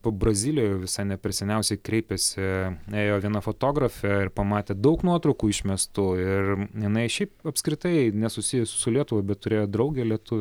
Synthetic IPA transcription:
poːbɾɐzʲiːlʲɪjoːjɛʊʋʲɪsɐɪnʲɛpʲɾʲɪsʲɛnʲɛʊsʲɛɪkɾʲɛɪpʲɛsʲɪeːjoːʋʲiɛnɐfot̪oːɡɾɐfʲɛɪrpɐmɑːt̪ʲeːd̪ɐʊknuɔt̪ɾɐʊkuːɪʃʲmʲɛst̪ʊɪrjɪnɐɪʃʲɛɪpɐpʲskɾʲɪt̪ɐɪnʲɛsʊsʲijɛssʊlʲiɛt̪ʊʋɐɪbʲɛt̪tʊɾʲeːjoːd̪ɾɐʊɡʲelʲiɛt̪ʊʋʲ

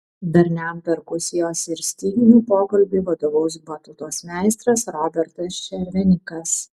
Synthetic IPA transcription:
bʲɛɾʲnʲæmpʲɛɾkʊsʲɪjoːsɪɾsʲt̪ʲiːɡʲɪnʲuːpoːkɐlʲbʲiːʋɐd̪oːʋɐʊsbɐt̪ʊt̪oːsmʲæˑɪst̪ɾɐsɾɔːbʲɛɾt̪ɐsʃʲɛɾʲʋʲɛnʲɪkɐs

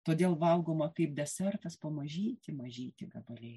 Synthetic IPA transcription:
t̪oːd̪ʲeːlˠʋɐlˠɡoːmɐkɐɪp̚d̪ʲɛsʲɛrt̪ɐspɐmɐʒʲiːt̪ʲɪmɐʒʲiːt̪ʲɪɡɐbɐlʲɛɪ

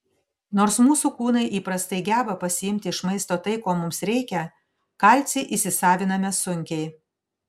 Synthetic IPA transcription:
noːɾsmuːsuːkuːnɐɪʔiːpɾɐst̪ɐɪɡʲæːbɐpɐsʲɪjɪmʲt̪ʲɪɪʃmɐɪst̪oːt̪ɐɪkoːmʊmsɾʲɛɪkʲɛ | kɑlʲt̪sʲɛɪʔisʲɪsɑːʋʲɪnɐmʲɛsʊŋʲkʲɛɪ

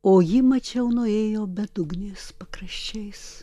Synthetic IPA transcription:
oːjɪmɐt͡ʃʲɛʊnʊeːjoːbʲɛd̪ʊɡnʲeːspɐkɾɐʃʲt͡ʃʲɛɪs

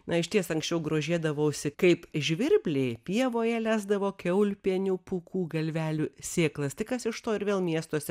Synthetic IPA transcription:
nɐɪʃʲt̪ʲiɛsɐŋksʲt͡ʃʲɛʊɡɾoːʒʲiɛd̪ɐʋɐʊsʲɪkɐɪpʒʲʋʲɪɾʲbʲlʲeɪpʲiɛʋoːjɛlʲæːzd̪ɐʋoːkʲɛʊlʲpʲiɛnʲupukuːɡɐlʲʋʲæːlʲuːsʲeːklˠɐst̪ʲɪkɐsɪʃt̪oːɪɾʋʲeːlˠmʲiɛst̪oːsʲɛ

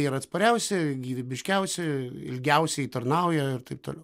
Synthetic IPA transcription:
iːɾɐt̪spɐɾʲɛʊsʲɛɡʲiːʋʲɪbʲɪʃʲkʲɛʊsʲɛɪ̰lʲɡʲɛʊsʲɛɪt̪ɐrnɐʊjɛɪrt̪ɐɪp̚t̪o̰ːlʲɛʊ

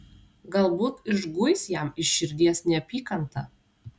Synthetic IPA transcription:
ɡɐlˠbuːt̪ɪʒɡʊjsjæmɪʃʃʲɪɾʲd̪ʲiɛsnʲɛɐpʲiːkɐnt̪ɐ

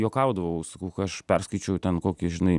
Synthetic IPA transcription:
joːkɐˑʊd̪ɐʋɐʊsɐkɐʊkɐɐʃpʲɛrskɐɪt͡ʃʲɛjʊt̪ʲɛnkoːkʲɪʒʲɪnɐɪ

